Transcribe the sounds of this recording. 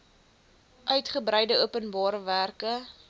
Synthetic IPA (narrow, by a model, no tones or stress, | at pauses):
ʔœɥtχəbɾəjdəuəpənbɑːɾəværkə